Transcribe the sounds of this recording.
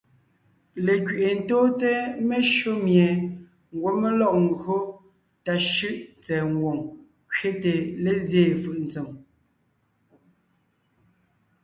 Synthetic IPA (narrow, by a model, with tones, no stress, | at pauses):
le˨kɥʔe˨n̩˨toː˦te˦me˦ʃo˦mje˨ | ŋ˨ɡwo˨˦me˦lɔ˦˨ʔŋ̩˦˨ɡo˦ | ta˨ʃʉ˦ʔt͡sɛː˨ŋ˨ɡwo˨ŋ | kɥe˦te˨le˦˨zjeː˦˨fɯ˨ʔn̩˨t͡se˨m